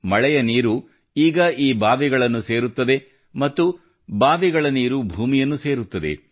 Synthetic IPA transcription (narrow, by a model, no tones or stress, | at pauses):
mɐɭɛjɐniːɾu | iːɡɐiːbaːʋiɡɐɭɐnːuseːɾut̪ːɐd̪e̞ | mɐt̪ːu | baːʋiɡɐɭɐniːɾubʱuːmijɐnːuse̞ːɾut̪ːɐd̪e̞̰